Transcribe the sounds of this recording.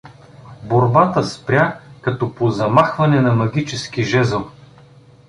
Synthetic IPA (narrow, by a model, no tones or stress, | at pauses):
boɾbat̪əspɾʲakɐt̪ɔpozɐmaxvɐnɛnɐmɐɡʲit͡ʃɛskiʒɛzəlˠ